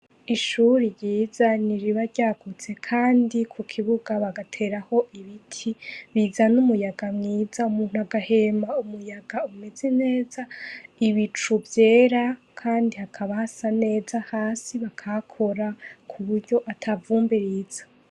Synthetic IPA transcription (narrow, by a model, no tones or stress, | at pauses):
iʃuɾiɾɟiːzaniɾiβaɾɟaːɡut͡se̞kʰaːndikʰukʰiβuɡaβaɡatʰe̞ːɾaho̞ʔiβitʰiβizanumujaɡamŋiːzaumuːn̥huaɡahe̞maumujaɡaume̞zene̞ːzaiβit͡ʃuvje̞ːɾa | kʰaːndihakʰaβahasane̞ːzahaːsiβakʰakʰo̞ɾakʰuβuɾɟo̞ʔatʰavuːmbiɾiz̥ḁ